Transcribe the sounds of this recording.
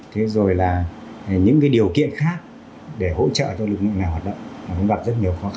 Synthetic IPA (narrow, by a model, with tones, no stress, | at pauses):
t̪ʰe˨˦zo˨˩jlaː˨˩ɲɨ̰˧˥ŋkaː˨˦jɗi˨˩əwkḭ˧˨ənxaː˦˥k̚ | ɗe˧˩ho̰˧˥t͡ɕə̰ː˧˨t͡ɕɔ˧wlɨ˨˩k̚lɨ̰˧˨na˨˩jhwaː˨˩t̚ɗə̰˧˨ŋ͡mmaː˨˩kʊ̰˧˥ŋ͡mɣa˨˩p̚zt̚ɲi˨˩əwxɔ˨˦x